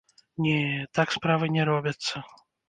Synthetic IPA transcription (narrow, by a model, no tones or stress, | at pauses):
nʲɛt̪akspɾavɨnʲɛɾɔbʲɐt̪sːɐ